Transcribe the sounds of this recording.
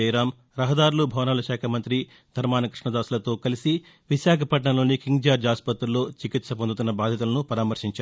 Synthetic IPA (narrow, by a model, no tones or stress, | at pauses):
jɾaːm | ɾɐɦɐd̪aːɾulubʱɐʋnɐlɐʃaːkʰɐmɐnt̪ɾi | d̪̥ʱɐɾmaːnɐkɾiʂɳɐd̪aːsulɐt̪o̞ːkɐlisi | ʋiʃaːkʰɐpɐʈɳɐlo̞ːnikiŋd͡ʒaːɾd͡ʒaːspɐt̪ɾulːoːt͡ʃikit̪sɐpond̪ut̪unːɐbaːd̪ʱjɐt̪̬ulɐnupɐɾaːmɐɾʂiɲt͡ʃaː